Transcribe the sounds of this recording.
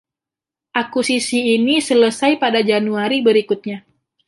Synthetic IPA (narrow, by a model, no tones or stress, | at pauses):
ʔakusisiːnisələsajpadad͡ʒanuaɾibəɾikut̪̚ɲa